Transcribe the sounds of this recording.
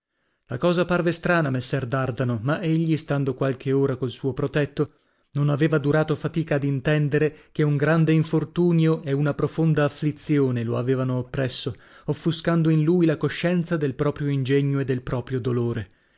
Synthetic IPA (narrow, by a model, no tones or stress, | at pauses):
lakɔːzaparvest̪ɾaːnamesːɛrd̪ard̪anomaʔeʎːist̪and̪okwalkʰeoːɾakolsuːopɾot̪ɛt̪ːo | nonaveːvad̪uɾaːt̪ofat̪iːkaːd̪int̪ɛnd̪eɾekeuŋɡɾand̪eiɱfort̪uːnjoʔɛunapɾofond̪aːflit̪sjoːneloa̰veːvanoːpːɾɛsːo | ofːuskand̪oinluːjlakoʃːɛnt̪sad̪elpɾɔːpɾjoind͡ʒɛɲːoed̪ːelpɾɔːpɾjod̪oloːɾe